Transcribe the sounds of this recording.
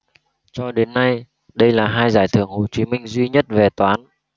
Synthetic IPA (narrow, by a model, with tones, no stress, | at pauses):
t͡ɕɔ˧ɗe˨˦nːa˧j | ɗə˧jlaː˨˩ɦaː˧jzaː˧˩jt̪ʰɨ̰˧˩əŋho˨˩t͡ɕi˨˦mï˧ŋ̟zwi˧ɲə˦˥t̚ve˨˩t̪waː˨˦n